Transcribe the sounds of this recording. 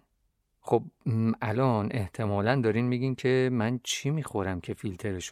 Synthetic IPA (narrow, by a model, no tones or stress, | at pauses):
xob̚ʔælɒnʔe̞ht̪ʰe̞mɒːlænd̪ɒːɾiːnmiːɡiːncʰe̞mænt͡ʃʰimiːxo̞ɾæmcʰe̞filt̪ʰe̞ɾeʃ